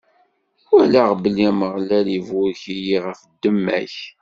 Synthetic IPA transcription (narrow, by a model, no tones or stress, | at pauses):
ælaʁbəlːiæməʁlælivʊɾçijiʁəfd̪ːəmːæ̰ç